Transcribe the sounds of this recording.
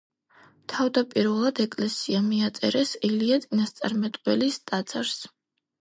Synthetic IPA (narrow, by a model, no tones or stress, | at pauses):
t̪ʰavd̪apʼiɾvɛlˠad̪ɛkʼlɛsiamiat̪sʼɛ̰ɾɛsɛliat̪sʼinast̪sʼa̰ɾmat̪ʼqʼwɛlist̪ʼat̪sʰʼaɾs